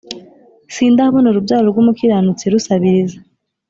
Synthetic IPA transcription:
siːndahβonuɾubjaːɾoɾɡuːmukiɾanut͡siɾusaβiɾiza

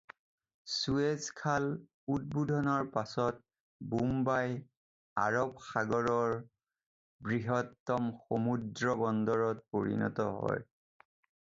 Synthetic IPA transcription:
suezkʰal | ut̚budʱɔnɔɹpasɔt̚ | bumbaj | a̰ɹɔbxaɡɔɹɔɹ | bɹiɦɔtːɔmxomudɹɔbɔndɔɹɔt̚poɹḭnɔ̰tɔ̰ɦɔ̰j

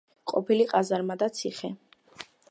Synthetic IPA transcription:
qʼɔpʰiliqʼazaɾmad̪at̪sʰiχɛ

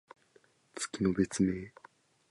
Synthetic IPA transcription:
t͡sɨ̥kʲino̞be̞t͡sɨme̞ː

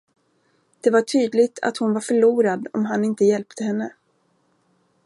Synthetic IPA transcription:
d̪̥ɛvaʈʰyːd̪lɪɡt̪ʰa̰t̪hʊnvaɾfœɭuːɾad̪ɔ̰mɦanɪnt̪əjɛlpt̪ʰəɦɛnːə

